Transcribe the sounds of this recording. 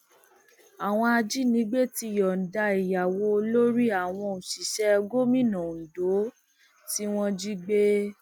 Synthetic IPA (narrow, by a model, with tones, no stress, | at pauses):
a˨w̃ɔ̃˧a˧d͡ʒi˦nĩ˨˦ɡ͡be˦ti˧˨jɔ˨n̩˨da˧i˨ja˨wo˧˦o˧lo˦ɾi˦a˨w̃ɔ̃˧o˨ʃi˨ʃɛ˨˦˧ɡo˦mĩ˦˨nã˨n̩˨do˨˦ | ti˦w̃ɔ̃˦d͡ʒi˦ɡ͡be˦